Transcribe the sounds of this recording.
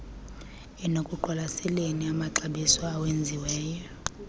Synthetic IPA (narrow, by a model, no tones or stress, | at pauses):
ɛnokʼuǃʱwalasɛleniamaǃaɓisaːwend͡zʱiwɛːjɔɔ